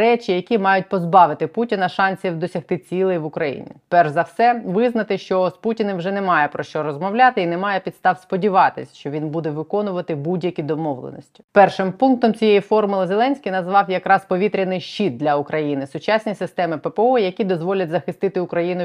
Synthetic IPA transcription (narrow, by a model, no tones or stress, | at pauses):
ɛt͡ʃʲijɐkʲimɑjʊt̚ʲpɔzbɑʋɪt̪ɪputʲinɐʃɑnʲsʲiwd̪ɔsʲɐxt̪ɪt͡sʲilˠejʋʊkɾɐjḭnʲḭpɛrʒzɐwsɛʋɪznɐt̪ɪʃt͡ʃɔsputʲinɪwʒɛnɛmɑjɛpɾɔʃt͡ʃɔɾɔzmɔʋlʲat̪ɪinɛmɑjɛpʲid̪st̪ɑwspɔdʲiʋɑt̪ɪsʲʃt͡ʃɔʋʲinbud̪ɛʋɪkɔnʊʋɐt̪ɪbudʲjɐkʲid̪ɔmɔʋlˠḛnɔsʲtʲi̥pɛrʃɪmpunk̚t̪ɔmt͡sʲijejifɔrmʊlˠɪzelˠɛnʲsʲkʲijnɐzʋɑwjɐkɾɑspɔʋʲit̪ɾʲɐnɪjʃt͡ʃːit̪̚d̪lʲɐʊkɾɐjinɪsʊt͡ʃasʲnʲisɪst̪ɛmɪpɛpeɔjɐkʲid̪ɔzʋɔlʲɐtʲzɐxɪst̪ɪt̪ɪʊkɾɐjinʊ